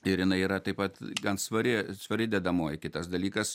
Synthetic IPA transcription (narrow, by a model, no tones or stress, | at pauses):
ɪɾjɪnɐɪiːɾɐt̪ɐɪpɐt̪ɡɐnsʋɐɾʲɪsʋɐɾʲɪd̪ʲɛd̪ɐmoːjkʲɪt̪ɐsd̪ɐlʲiːkɐs